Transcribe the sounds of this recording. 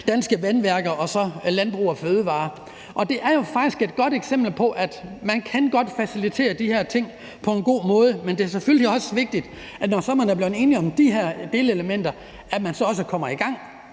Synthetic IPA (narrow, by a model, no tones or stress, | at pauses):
d̥ænsɡ̥əʋænʋæɐɡ̥ɐʔɒ̽sɒ̽lænb̥ʁṵːɒføːð̞ˠəʋɑ̈ː | ʔɒ̽d̥e̝ʔæɐjo̝fɑ̈ɡ̥d̥isɡ̥e̝d̥̚ɡ̥ɒ̽ɾ̥eɡ̥semb̥l̩pʰɒ̽ʔæd̥mænkʰænɡ̥ɒ̽d̥fæsilit͡sʰe̝̰ːɐd̥ihæɐt͡sʰe̝ŋ̰ | pʰɒ̽e̝nɡ̥o̝̰ːmɔ̽ːð̞ˠəmend̥e̝ɐsefølliɒ̽sʋe̝ɡ̥̚d̥id̥ | ænɒsɒ̽mænæɐb̥le̝ʊne̝ːniɒ̽md̥iɦeɐ̰d̥e̝ːləeləmen̰d̥ɐ | æmænsɒ̽ɒ̽səkʰɒ̽m̰ɐiɡ̥ɑ̈ŋ̰